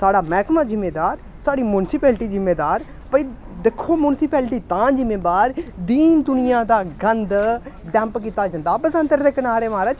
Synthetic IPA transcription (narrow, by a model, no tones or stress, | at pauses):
saːɽaːmɛːkmãːzɪmːeːd̪aːɾ | saːɽiːmjunsɪpɛːlʈiːzɪmːeːd̪aːɾ | pəiː | d̪ɪkʰːoːmʊːnsɪpɛːlʈiːt̪ãːd͡ʒɪmẽːbaːɾd̪iːnd̪ʊnɪjãːd̪aːɡənd̪ɖɛ̃ːmpkiːt̪aːd͡ʒãːnd̪aːpəsə̃nt̪əɾd̪eːkənaːɾeːʋãːɾat͡ʃ